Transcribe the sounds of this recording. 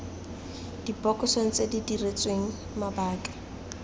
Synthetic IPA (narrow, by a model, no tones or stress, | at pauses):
d̥ibɔkʼɔsoŋ̩t͡sedidiret͡sʼweŋ̩ | mabaːkʼḁ